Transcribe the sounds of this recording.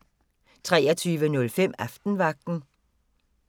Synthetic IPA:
t͡sʰʁɛːɐt͡sʰyːʋənɔ̽lfem̰æfd̥n̩ʋɑ̈ɡ̥̚d̥n̩

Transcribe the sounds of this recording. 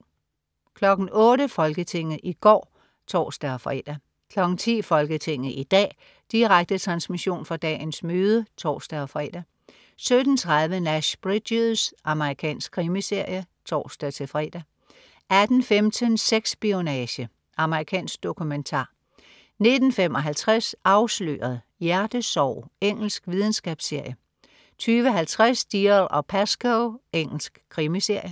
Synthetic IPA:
kʰlɒ̽ɡ̥n̩ɔ̽ːɾəfɒ̽lɡ̥ət͡sʰe̝ŋ̰ð̩ˠʔiɡ̥ɒ̰ː | t͡sʰɒ̰ːsd̥æɒfʁɛ̰ːd̥æ | kʰlɒ̽ɡ̥n̩t͡sʰḭːfɒ̽lɡ̥ət͡sʰe̝ŋ̰ð̩ˠʔid̥ɛ̰ː | d̥iʁaɡ̥̚d̥ət͡sʰʁɑ̈nsmiɕo̝̰ːnfɒd̥ɛ̰ːnsmøːð̞ˠət͡sʰɒ̰ːsd̥æɒfʁɛ̰ːd̥æ | sød̥n̩t͡sʰʁɑð̞ˠʋənæɕb̥ʁid̥usʔɑ̈məʁikʰɛ̰ːnsɡ̥kʰːʁiməse̝ɐ̰jə | t͡sʰɒ̰ːsd̥æt͡sʰe̝fʁɛ̰ːd̥æ | ʔæd̥n̩femt͡sʰənseɡ̥sb̥ionɛɕə | ʔɑ̈məʁikʰɛ̰ːnsɡ̥̚d̥o̝kʰument͡sʰɑ̰̈ː | ne̝d̥n̩fem̰ɒ̽ɦælt͡sʰʁasɑ̈ʊslø̰ːɐð̩ˠ | jæɐd̥əsɒʊ̰eŋ̰l̩sɡ̥ʋið̞ˠn̩sɡ̥ɛ̰b̥sːe̝ɐ̰jə | t͡sʰyːʋəɦælt͡sʰʁasd̥ilɒ̽pʰæsɡ̥oʊeŋ̰l̩sɡ̥kʰːʁimise̝ɐ̰jə

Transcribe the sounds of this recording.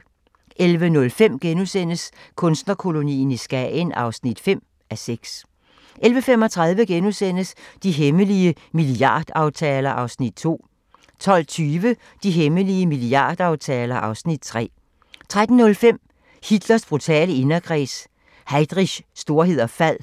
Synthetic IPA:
ʔelʋənɔ̽lfem̰ɡ̥enusen̰əskʰɔ̽nsd̥nɐkʰo̝lo̝nḭːn̩isɡ̥ɛnʔɑ̈ʊsnid̥fem̰ | æseɡ̥s | ʔelʋəfem̰ɒ̽t͡sʰʁɑ̈ð̞ˠʋəɡ̥enusen̰əsd̥iɦeməliə | miliɑ̰̈ːd̥ɑ̈ʊt͡sʰɛːlɐʔɑ̈ʊsnid̥̚t͡sʰo̝̰ː | t͡sʰɒ̽l̰t͡sʰyːʋə | d̥iɦeməliəmiliɑ̰̈ːd̥ɑ̈ʊt͡sʰɛːlɐʔɑ̈ʊsnid̥̚t͡sʰʁɛ̰ː | t͡sʰʁad̥n̩nɔ̽lfem̰ | hid̥lɐsb̥ʁut͡sʰɛ̰ːləe̝nɐɡ̥ʰʁɛ̰s | hɑ̈ɪd̥ʁiɕːd̥o̝ɐɦe̝ð̰ˠɐfæð̰ˠ

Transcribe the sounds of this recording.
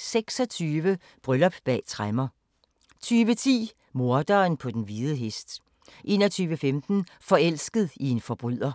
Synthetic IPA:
seɡ̥sɒ̽t͡sʰyːʋə | b̥ʁœlɒ̽b̥b̥ɛ̰ːt͡sʰʁamɐ | t͡sʰyːʋət͡sʰḭː | mo̝ɐd̥ɐːnpʰɒ̽d̥enʋiðˠəɦesd̥ | ʔe̝̰ːnɒt͡sʰyːʋəfemd̥n̩fɒ̽el̰sɡ̥əðˠie̝nfɒb̥ʁyð̰ˠɐ

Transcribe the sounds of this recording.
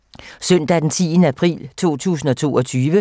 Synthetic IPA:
sœn̰d̥æd̥ent͡sʰiːnəæpʰʁḭːlt͡sʰo̝̰ːt͡sʰṵːsn̩ɒ̽t͡sʰo̝̰ːʔɒ̽t͡sʰyːʋə

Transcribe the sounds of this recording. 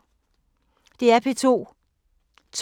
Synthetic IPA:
d̥e̝æɐpʰe̝t͡sʰo̝̰ː | t͡sʰ

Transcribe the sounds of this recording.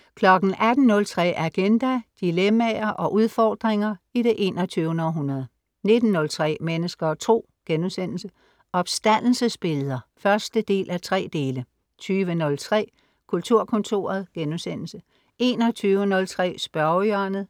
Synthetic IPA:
kʰlɒ̽ɡ̥n̩ʔæd̥n̩nɔ̽lt͡sʰʁɛ̰ːʔæɡ̥end̥æd̥ilemæɐʔɒ̽ʔuð̞ˠfɒːd̥ʁeŋɐiɾ̥e̝ʔe̝̰ːnɒt͡sʰyːʊnɒɦunɐðˠ | ne̝d̥n̩nːɔ̽lt͡sʰʁɛ̰ːmenəsɡ̥ɐːt͡sʰʁo̝̰ː | ɡ̥enusen̰l̩sə | ʔɒ̽b̥sd̥æn̰l̩səsb̥e̝lðˠɐfɶɐsd̥əd̥e̝̰ːlʔæt͡sʰʁɛ̰ːd̥e̝ːlə | t͡sʰyːʋənɔ̽lt͡sʰʁɛ̰ː | kʰult͡sʰuɐ̰kʰɔ̽nt͡sʰo̝̰ːɐð̞̩ˠɡ̥enusen̰l̩sə | ʔe̝ːnɒt͡sʰyːʊənɔ̽lt͡sʰʁɛ̰ːsb̥ɶɐœnð̩ˠ

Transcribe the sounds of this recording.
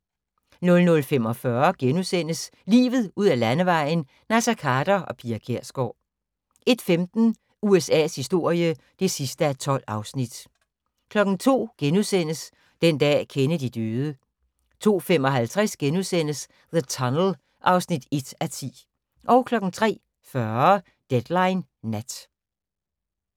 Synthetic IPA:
nɔ̽lnɔ̽lfem̰ɒ̽fɶɐɡ̥enusen̰əslḭːʋð̞̩ˠuð̞̰ˠælænəʋɑ̈ɪ̰n̩ | næsækʰɑ̈ːd̥ɐʔɒ̽pʰiækʰeɐ̰sɡ̥ɒː | e̝d̥femd̥n̩ | uesɛ̰ːshisd̥o̝ɐ̰jə | d̥e̝sisd̥əæt͡sʰɒ̽l̰ɑ̈ʊsnid̥ | kʰlɒ̽ɡ̥n̩t͡sʰo̝̰ːɡ̥enuðˠsen̰əs | d̥end̥ɛ̰ːkʰenəd̥id̥øːð̞ˠə | t͡sʰo̝̰ːfem̰ɒ̽ɦælt͡sʰʁɛsɡ̥enusen̰əs | ðət͡sʰɒnl̩ | ʔɑ̈ʊsnid̥e̝d̥æt͡sʰḭː | ʔɒ̽ʊkʰlɒ̽ɡ̥n̩t͡sʰʁɛ̰ː | fɶɐɐ | d̥ed̥lɑ̈ɪnːæd̥

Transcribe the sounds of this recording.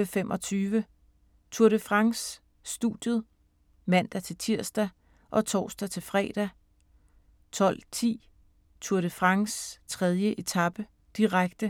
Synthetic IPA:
əfemʔɒ̽t͡sʰyːʋə | t͡sʰuɐ̰ɾəfʁɑ̈ŋsː | d̥ṵd̥jəð̩ˠ | mæn̰d̥æt͡sʰe̝lt͡sʰiɐ̰sd̥æ | ʔɒ̽t͡sʰɒ̰ːsd̥æt͡sʰe̝lfʁɛ̰ːd̥æ | t͡sʰɒ̽l̰t͡sʰḭː | t͡sʰuɐɾ̥əfʁɑ̈ŋst͡sʰʁɛð̞ˠjəʔe̝t͡sʰɑ̈b̥ə | d̥iʁaɡ̥d̥ə

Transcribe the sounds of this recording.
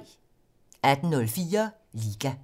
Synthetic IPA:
æd̥n̩nɔlfiːɐ | liːɡ̥æ

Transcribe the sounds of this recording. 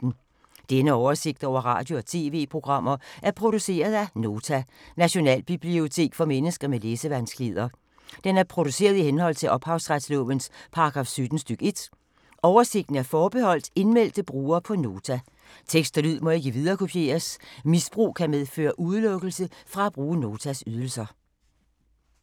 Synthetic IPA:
n̩ | d̥enəɒʊɐse̝ɡ̥̚d̥ɒʊ̰ɐʁɑ̰̈d̥jo̝ɒt͡sʰe̝̰ːʋe̝̰ːpʰʁo̝ɡ̥ʁɑ̈m̰ɐʔæɐpʰʁo̝d̥use̝̰ːɐð̞̩ˠæno̝ːt͡sʰænæɕo̝nɛ̰ːlb̥ib̥lio̝t͡sʰe̝̰ːɡ̥fɒ̽menəsɡ̥ɐmeleːsəʋænsɡ̥lið̞ˠɐ | d̥enæɐpʰʁo̝d̥use̝̰ːɐð̞ˠihenhɒ̽l̰t͡sʰe̝lʔɒ̽b̥hɑ̈ʊsʁad̥slɔ̰̽ːʋənspʰɑ̈ɑɡ̥ʁɑ̈fsyd̥n̩sd̥yɡ̥əe̝d̥ | ʔɒʊɐse̝ɡ̥̚d̥n̩æɐfɒːb̥e̝hɒ̽l̰d̥e̝nmel̰d̥əb̥ʁuːɐːpʰɒ̽no̝ːt͡sʰæ | t͡sʰeɡ̥sd̥ɐlyð̰ˠmɒ̽e̝ɡ̥əʋið̞ˠɐːkʰo̝pʰje̝̰ːɐsmisb̥ʁṵːkʰæmeð̞ˠfø̰ːɐʔuð̞ˠlɔ̽ɡ̥əl̩səfʁɑ̈æb̥ʁuːəno̝ːt͡sʰæsyð̞ˠl̩sɐ

